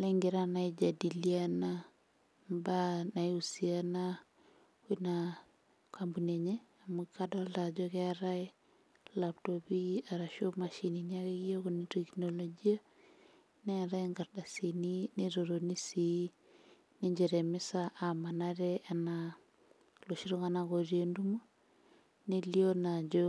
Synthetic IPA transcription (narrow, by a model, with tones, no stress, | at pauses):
le˦ŋɡiɾa˦na˨i˦d͡ʒa˨di˨liana | mba˦na˨jusiana | wina˨ | kʰambu˨neɲe˦a˨mu˨kado˦lta˨d͡ʒo˦keɾa˦i | lap̚tobi˦a˨ɾa˨ʃo˦ma˨ʃiniɲa˦ke˦ki˦o˦ko˨ni˨teknolod͡ʒi˦a˦ | nɛ˦˨ɾa˦iŋɡaɾda˨si˨ni˦neɾoɾo˨ni˦si | ne˦ɲd͡ʒe˨ɾɛ˨mɪ˦saʔa˨ma˨na˦ɾɛʔa˨na | lo˨ʃi˦ɾo˦ŋanakoɾie˨ndumo˦ | nelionad͡ʒo